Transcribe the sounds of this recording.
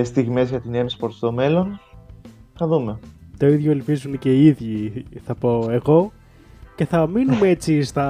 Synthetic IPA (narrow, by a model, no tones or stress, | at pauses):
st̪iɣme̞zʝɐt̪inemspoɾt̪st̪o̞me̞lo̞n | θɐðume̞t̪o̞iðʝoelpizunece̞iiðʝiθɐpo̞e̞ɣo̞ | ce̞θɐminumee̞t͡sist̪ɐ